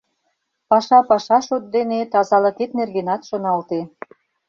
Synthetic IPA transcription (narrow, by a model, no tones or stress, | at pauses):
pɑʃɑpɑʃɑʃot̪̚d̪enet̪ɑzɑlɤ̆k̪et̪̚nerɣenɑt̪ʃonɑlt̪e